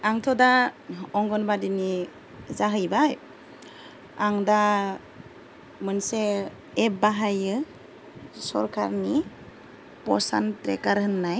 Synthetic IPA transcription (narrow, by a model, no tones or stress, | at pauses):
aŋtʰɔdaɔŋɡɔnbadini | zaɦɯjbaj | aŋda | mɯnseː | p̚baɦajɯ | sɔ̰ɾkʰa̰ɾni | pɔsa̰ntɾḛkaɾhɯnːaj